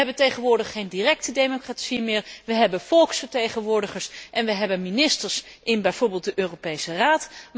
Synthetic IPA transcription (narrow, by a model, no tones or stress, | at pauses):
ɛbəntejχənʋʊːɹdəχːejndirɛk̚tədejmokratsimɪːɹʋəɦɛbənfɔlˠksfəɹtejχənʋʊːɹdəχəɹsʔɛnʋəɦɛbənminɪstəɹsʔɪnbɛjv̥ʊːɹbɪːlˠt̚dəʔøːropejsəraːt